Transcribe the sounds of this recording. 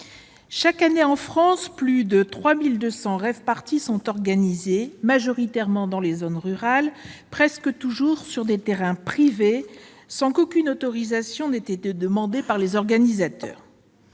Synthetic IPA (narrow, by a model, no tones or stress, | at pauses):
ʃakaneɑ̃fχɑ̃splyd̪ət̪χwamild̪øsɑ̃ʁɛvpaʁt̪isɔ̃t̪ɔʁɡanizemaʒɔʁit̪ɛʁmɑ̃d̪ɑ̃lezonʁyʁalpχɛskət̪uʒuʁsyʁd̪et̪eʁɛ̃pχive | sɑ̃kokʲynot̪ɔʁizasjɔ̃nɛt̪et̪ed̪əmɑ̃d̪epaʁlezɔʁɡanizat̪œ̰ːʁ